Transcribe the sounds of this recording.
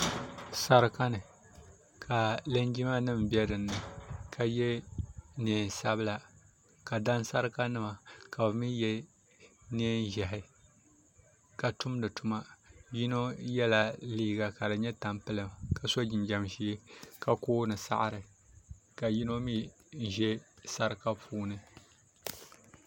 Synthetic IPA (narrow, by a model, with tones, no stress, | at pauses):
sa˦ɾɨ˦ka˦nɨ˨ | kʰa˨lɨ˦nd͡ʒi˦ma˦nɨ˦m˨bi˦ɛ˦dɨ˨nːɨ˨kʰa˨jɛ˦neː˨˦˨n˨sa˦bɨ˦la˨ | ka˨da˦nsa˦ɾɨ˦ka˦nɨ˦ma˨ka˨bɨ˨mi˦jɛ˦ | neː˦nʒɛ˨ɦɪ˦ | ka˨tʊ˦mdɨ˨tʊ˨˦ma˦ji˦no˦jɛ˦la˨liː˦ɡa˨ka˨dɨ˨ɲɛ˦ta˨mpɨ˦lɨ˨mka˨so˦d͡ʒɪ˨nd͡ʒa˨mʃi˦e˦ka˦koː˦nɨ˨sa̰˦ʔɾɨ˨ | ka˨ji˦no˦mi˦ | n̩˨ʒɛ˦sa˦ɾɨ˦ka˦pʰuː˦nɨ˦